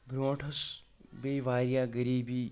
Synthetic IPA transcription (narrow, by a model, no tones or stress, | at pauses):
ɡɾõːʈʰɐsbejʋaːɾjaɡəɾiːbiː